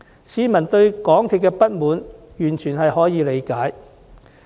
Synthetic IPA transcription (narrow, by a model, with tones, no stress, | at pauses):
siː˨˧mɐ˨˩nt̪ɵ˧ɥkɔː˨˥ŋt̪ʰiː˨˩kːɛː˧pɐ˥t̚muː˨˥njyː˨˩nt͡ʃʰyː˨˩nhɐ˨jhɔː˨˥jiː˨˧le˨˧jkaː˨˥j